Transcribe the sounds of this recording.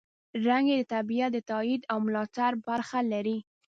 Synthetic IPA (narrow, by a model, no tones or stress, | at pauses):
ɾaŋɡed̪ət̪abijat̪̚d̪ət̪ɑid̪awmʊlɑt̪aɾbaɾxalaɾi